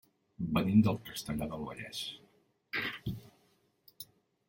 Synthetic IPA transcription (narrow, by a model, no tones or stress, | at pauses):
bənind̪əlˠkəst̪əʎaðəlˠβə̰ʎɛ̰s